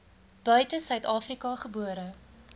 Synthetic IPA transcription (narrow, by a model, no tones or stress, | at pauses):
b̥œɥtəsœɥtɑːfrikɐχəbuəɾə